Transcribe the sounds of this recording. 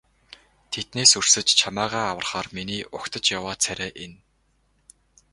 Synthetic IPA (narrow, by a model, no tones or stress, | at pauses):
t̪ʰet̪̚neːsur̥sɘ̆t͡ɕt͡ɕʰamæːʁæːawə̆rχaːrminiːʔʊkt̪ə̆t͡ɕjawaːt͡sʰæɾʲeːʔen